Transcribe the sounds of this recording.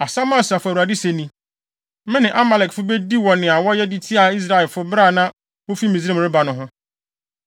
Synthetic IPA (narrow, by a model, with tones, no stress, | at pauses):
a˨sã˦mã˦˨sa˨fʊ˦æ˨u˨a˨dɪ˦se˨nĩ˦ | mɪ̃˦nɪ̃˨ʔa˦ma˨lɛ˨kfʊ˦be˦di˦wɔ̃˨nɪ̃˨a˨wɔ˦jɛ˦di˦tʰi˦a˨i˦s̬ɾa˦˨ɛ˨fʊ˦bɾa˦˨nã˦ | wo˦fi˦mĩ˨zẽ˦˨m˨ɾɪ˦ba˨nʊ̃˨ɦʊ̃˦